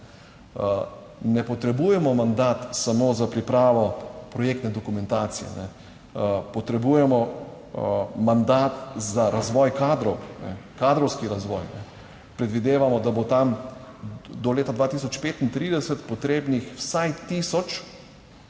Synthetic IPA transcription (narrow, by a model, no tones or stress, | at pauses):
nɛpɔt̪ɾɛbujɛmɔmand̪at̪samoːzapɾipɾaːʋɔpɾɔjek̚t̪nɛd̪ɔkumɛ̃nt̪aːt̪sijɛ̰nɛ | pɔt̪ɾɛbuːjɛmɔ | mand̪at̪zaɾazʋɔːjkaːd̪ɾɔwnɛ̰kad̪ɾɔwskiɾazʋɔjnɛ̰ | pɾɛd̪ʋid̪eːʋamɔd̪abot̪am | d̪ɔleːt̪ad̪ʋaːt̪isɔt͡ʃpeːt̪int̪ɾiːd̪ɛsɛt̪pɔt̪ɾeːbnixwsajt̪isɔt͡ʃ